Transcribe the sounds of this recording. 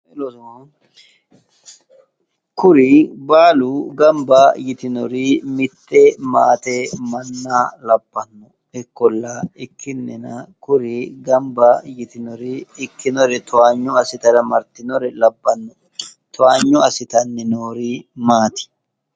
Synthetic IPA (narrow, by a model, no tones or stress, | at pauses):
ɛlosn | kʊɾɪbaːluɡɐmbajɪt̪ɪnɔɾimɪt̪ːɛma̰ːt̪ɛmɐnːaːlɐbːɐnːɔ | ɛkːɔlːaɪkːɪnːɛnɐkʊɾɪɡɐmbajɪt̪ɪnɔɾiɪkːɪnɔɾɛt̪ʰɔaːɲːɔɐsɪt̪ɐɾɐmɐɾt̪ɪnɔɾɛlɐbːɐnːɔ | t̪ɔaːɲːɔɐsɪt̪ɐnːɪnoːɾimaːt̪ɪ̥